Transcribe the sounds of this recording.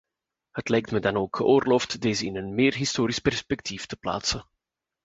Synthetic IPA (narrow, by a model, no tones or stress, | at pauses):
hətlɛjk̚tmədɑnoːkxəʔoːrloːftdeːzəɪnənmeːrɦistoːɾispɛrspɛk̚tiftəpla̰ːtsən